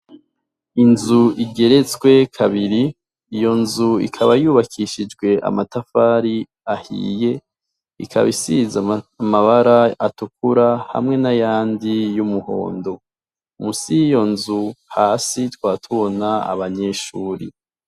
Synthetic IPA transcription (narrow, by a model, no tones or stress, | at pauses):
inzuiɡe̞ɾe̞t͡swe̞kʰaβiɾiː | jo̞nzuḭkʰaβajuːβakʰiʃid͡ʒɡwe̞ʔa̰matafaːɾi | ahḭːje̞ | ikʰa̰βisizaamaβaɾaatuk̚uɾaha̰mŋe̞najaːndijumuho̞̰ːndo̞ | musijo̞nzuhaːsitwaːtʰuβo̞naa̰βaɲe̞ʃuːɾḭ